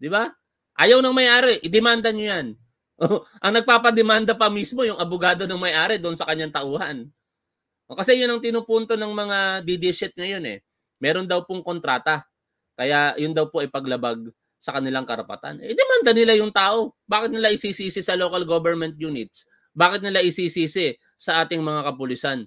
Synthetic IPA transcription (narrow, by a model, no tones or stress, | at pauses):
d̪ɪba | ʔaːjɐwnɐŋmɐjʔaːɾɛʔɪd̪ɛmand̪ɐɲojan | ʔoʔɐŋnɐɡ̚paːpɐd̪ɛmand̪ɐpɐmismo̞jʊŋɐbʊɡaːd̪o̞nɐŋmɐjʔaːɾɛd̪oʔnsɐkɐɲːaŋt̪ɐʔuːhɐn | ʔokɐsɛjʊnɐŋt̪ɪnupunt̪o̞nɐŋmɐŋad̪id̪isɛt̪̚ŋɐjo̞nɛ̰ | mɛːɾo̞nd̪ɐwpoŋko̞nt̪ɾaːt̪ɐ | kɐjajʊnd̪ɐwpo̞ʔɐjpɐɡlɐbaɡ̚ | sɐkɐnɪlaŋkɐɾɐpɐ̰t̪a̰nʔɛd̪ɛmand̪ɐnɪlajʊŋt̪aːʔo̞baːkɪt̪nɪlaʔɪsiːsiːsɪsɐlo̞ːkɐlɡobɛɹmɛnt̪̚juːnɪt̪̚s | baːkɪt̪nɪlaʔɪsiːsiːsɪ | sɐʔaːt̪ɪŋmɐŋakɐpʊlisan